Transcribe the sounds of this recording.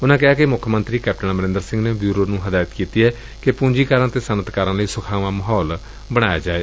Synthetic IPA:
ʊnãːkɪɦaːkemʊkʰmənt̪ɾiːkɛːp̚ʈənməɾɪ̃nd̪əɾsɪ̃ŋɡneːbjuːɾoːnũːɦəd̪aːət̪kiːt̪iːɦɛː | kepũːɲd͡ʒiːkaːɾãːt̪eːsənət̪kaːɾãːləiːsʊkʰaːʋãːməɦɔːl | bəɽ̃aːja̰ːd͡ʒaːeː

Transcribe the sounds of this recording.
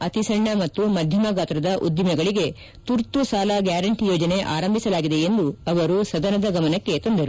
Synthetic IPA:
ɐt̪isɐɳːɐmɐt̪ːumɐd̪ʱjɐmɐɡaːt̪ɾɐd̪ɐʔud̪jɐmɐɡɐɭiɡe̞ | t̪uɾt̪usaːlɐɡjaːɾɐɳʈijɔːd͡ʒɐne̞ʔa̰ːɾɐmbʱisɐlaːɡid̪e̞end̪uɐʋɐɾusɐd̪ɐnɐd̪ɐɡɐmɐnɐkːe̞t̪ond̪ɐɾu

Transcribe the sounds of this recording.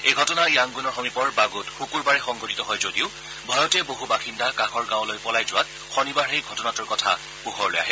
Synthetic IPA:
ejɡʱɔtɔnajaŋɡunɔɹxomipɔɹbaɡutxukuɹbaɹɛxɔŋɡʱotitɔɦɔjzodiʊ | bʱɔjɔtɛboɦubaxindakãxɔɹɡãwlojpɔlajzʊwat | xɔnibaɹɛɡʱɔtɔnatʊɹkɔtʰa̰ | puxɔɹloja̰ɦɛ

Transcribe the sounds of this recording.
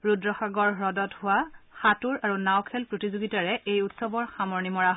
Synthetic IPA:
ɹudɹɔxaɡɔɹɹɔdɔthʊwaxatuɹaɹunawkʰɛlpɹotizoɡitaɹɛejutsɔbɔɹxamɔɹnimɔɹaɦ

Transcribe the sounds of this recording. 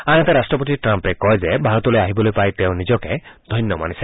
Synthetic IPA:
aɦɔt̪eɾasʈɾɔpɔt̪iʈɾampekɔjzebʱaɾɔt̪ɔlojaɦibɔlojpajt̪eʊ̃nid͡ʒɔked̪ʱɔjnjɔma̰nisʰe

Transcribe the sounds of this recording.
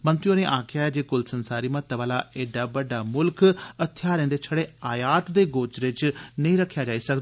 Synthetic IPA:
mənt̪ɾijõːneːʔaːkʰɪjaːɛd͡ʒeːkʊlsənsaːɾiːmət̪ːʋaːlaːʔeːɖaːbəɖːaːmʊlkət̪ʰɪjaːɾẽːnd̪eːt͡ʃʰəɽeːaːjaːt̪d̪eːɡoːt͡ʃɾɪt͡ʃnəĩːɾəkʰːjaːd͡ʒaːiːsəkd̪aaː

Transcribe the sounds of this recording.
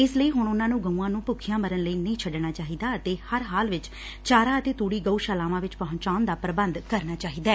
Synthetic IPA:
ɪsləiːɦʊɳ̃ʊnãːnũːɡəũːãːnũːpʊkʰːɪjãːməɾənləiːnəĩːt͡ʃʰəɖnaːt͡ʃaːɦiːd̪aːət̪eːhəɾɦaːlʋɪt͡ʃ | t͡ʃaːɾaːət̪eːt̪uːɽiːɡəuːʃaːlaːʋãːʋɪt͡ʃpəɦʊ̃ɲt͡ʃaːʊnd̪aːpɾəbənd̪kəɾnaːt͡ʃaːɦiːd̪aː

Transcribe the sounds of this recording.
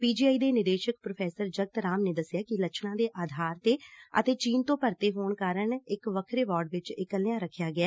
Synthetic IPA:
piːd͡ʒiːaːiːd̪eːnɪd̪eːʃək̚pɾopʰɛːsəɾd͡ʒəɡ̚t̪ɾaːmneːd̪əsɪjaːkɪləkt͡ʃʰnãːd̪eːʔaːd̪ʱaːɾt̪eːə̰t̪eːt͡ʃiːnt̪õːpəɾt̪eːɦoːɳkaːɾəɳɪkʋəkʰɾeːʋɔːɾɖʋɪt͡ʃɪkəlejãːɾəkʰːjaːɡɪjaː

